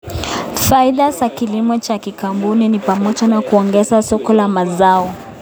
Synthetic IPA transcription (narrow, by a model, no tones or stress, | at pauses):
faiɗazakilimɔt͡ʃakikambuninipamɔt͡ʃanakuɔŋɡɛzasɔkɔlamazaɔ